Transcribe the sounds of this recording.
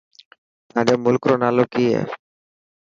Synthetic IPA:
ademulkɾonalokiḛ

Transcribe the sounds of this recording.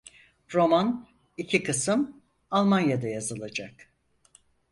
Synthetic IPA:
ɾo̞man | icʰikɯsɯm | alˠmanjad̪ajazɯlˠad͡ʒak

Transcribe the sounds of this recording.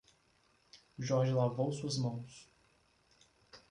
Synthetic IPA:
ʒɔɾʒɪlavowsuɐzmɐ̃w̃s

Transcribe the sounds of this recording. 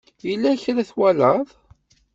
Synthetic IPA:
jəlːæçɾæθwæləðˤ

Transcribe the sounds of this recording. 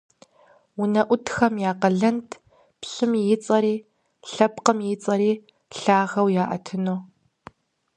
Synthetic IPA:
wʊnɐʔʷʊtʰxɐmjaːqɐɮɐntʰ | pɕɪmjɪt͡sʼɐɾiː | ɬɐpqəmjɪt͡sʼɐɾiː | ɬaːʁɐwjaːʔɐ̰tʰɨnoː

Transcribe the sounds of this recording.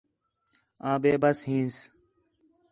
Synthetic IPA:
ãːbeːbɐsɦĩːns

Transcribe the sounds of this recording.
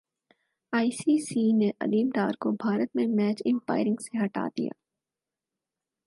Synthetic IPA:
aːisisiːneʔɐ̰liːmɖ̪aːɾkobʱaːɾət̪mẽmɛːt͡ʃɪ̃mpa̰ːɪɾɪ̃ŋɡseɦɐʈa̰ːd̪ḭja̰ː

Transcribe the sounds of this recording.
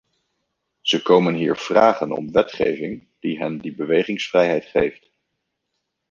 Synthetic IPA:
z̥əkowmənɦiːɹv̥raːχənɔ̰mʋɛtχḛjvɪŋ | d̥iɦɛndibəʋejχɪŋsfrɛjɦɛjtχejft

